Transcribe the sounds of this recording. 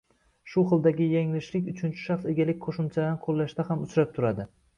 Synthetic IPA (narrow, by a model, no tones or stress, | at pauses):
ʃʊχɨlˠd̪aɡʲɪjaŋlɪʃlɪkʲʊt͡ʃʰʊnt͡ʃʰɪ̥ʃɑχse̞ɡʲalɪk̚ʲqʰoʃɪmt͡ʃʰad̪anqʰolˠːaʃt̪ahamʊt͡ʃɾap̚t̪ʰʊɾad̪ɪ